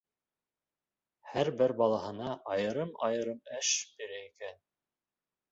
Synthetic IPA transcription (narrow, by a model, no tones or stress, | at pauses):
hæɾbɘɾbɑlˠɑhɤ̆nɑʔɑjɤ̆ɾɤmɑ̰jɤ̆ɾɤmæʃbiɾæikæn